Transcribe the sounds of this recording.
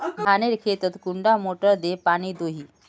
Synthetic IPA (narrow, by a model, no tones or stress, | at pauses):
bʱaneɾkʰet̪ət̪kuɳɖamoʈəɾd̪epaɽ̃iːd̪oɦiː